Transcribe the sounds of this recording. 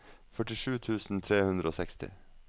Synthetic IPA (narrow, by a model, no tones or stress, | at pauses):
fœʈɪʃʉːt̪ʰʉːsn̩t̪ʰɾeːhʉnd̪ɾʔoːsɛkst̪ɪ̰